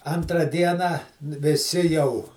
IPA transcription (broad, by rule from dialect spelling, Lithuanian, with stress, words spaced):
ɐntˈrɐ ˈdʲiɛnɑː ʋʲɪˈsʲɪ jɛʊ